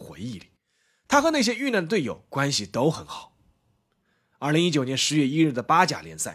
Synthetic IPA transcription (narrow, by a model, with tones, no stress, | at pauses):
xwḛ˧˥ɪi˥˩li˨˩˦ | t̪ʰa˥xɤ˧˥na˥˩ɕ̬jɛ˥y˥˧na˥˩nd̪ə˩t̪̬we˥˩ɪjo̰˨˩ʊkwa˥nɕi˨t̪o˥ʊxə˧˥nxɑ˨˩˦ | ɐ˞˥˩li˧˥ŋi˥t͡ɕjo˨˩ʊnjɛ˧˥nʂɻ̩˧˥ɥɛ˥˧i˥ɻ̩˥˩d̪ə˩pa˥t͡ɕja̰˨˩ljɛ˧˥nsa˥˩ɪ